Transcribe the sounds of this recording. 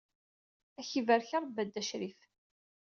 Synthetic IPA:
æçivəɾçəɾˤbæd̪ːæʃɾif

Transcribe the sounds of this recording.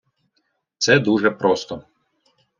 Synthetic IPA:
t̪sɛd̪uʒɛpɾɔst̪ɔ

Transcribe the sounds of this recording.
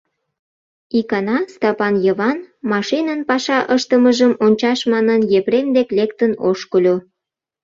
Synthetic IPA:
ikɑnɑst̪ɑpɑnjəβɑnmɑʃinənpɑʃɑʔəʃt̪əməʒəmonʲt͡ɕɑʃmɑnənjepɾemd̪eklekt̪ənoʃkəlʲo

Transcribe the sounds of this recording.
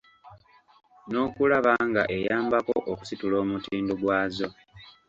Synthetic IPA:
no̞ːkulaβaŋɡa̰ʔe̞jaːmbako̰ʔoku̥situlo̞ːmutiːndoɡwaːzo̞

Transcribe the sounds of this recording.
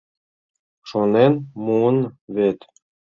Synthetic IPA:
ʃonenmuənβet̪

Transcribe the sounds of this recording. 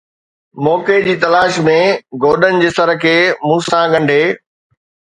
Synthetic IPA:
mɔːked͡ʑiːt̪ɐlaːʃmẽɡoːɗənɪ̆d͡ʑeːsəɾkʰeːmũːsãɠɐ̃ɳɖʱeː

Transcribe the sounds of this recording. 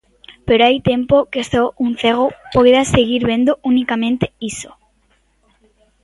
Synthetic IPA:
peɾoajt̪ẽmpokest̪oun̟θeɣ̞opojðaseɣiɾβẽnd̪oʔunikamẽnt̪eiso

